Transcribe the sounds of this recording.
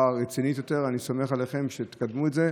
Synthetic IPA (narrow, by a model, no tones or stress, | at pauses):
aʁet͡sinit̪jo̞t̪e̞ʁanisomeχaleχemʃet̪kad̪muetze